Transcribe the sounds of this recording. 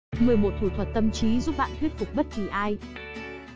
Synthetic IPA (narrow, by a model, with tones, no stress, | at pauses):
mɨ˨˩əjmo˨˩t̚t̪ʰu˧˩t̪ʰwə˨˩t̚t̪ə˧mt͡ɕi˨˦zu˦˥p̚ɓa̰ː˧˨nt̪ʰwi˦˥t̚fʊ˨˩k͡p̚ɓə˦˥t̚ki˧˨˩ʔaː˧j